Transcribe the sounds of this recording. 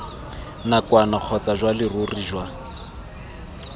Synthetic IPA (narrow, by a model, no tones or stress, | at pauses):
nakwanak͡xʰɔt͡saʒwalɪrʊriʒwa